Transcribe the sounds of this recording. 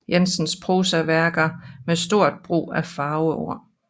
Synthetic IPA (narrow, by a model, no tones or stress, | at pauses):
jensənspʰʁoːsæʋæɐɡ̥ɐmesd̥o̝ɐ̰d̥̚b̥ʁṵːæfɑ̈ːʊəo̰ɐ̰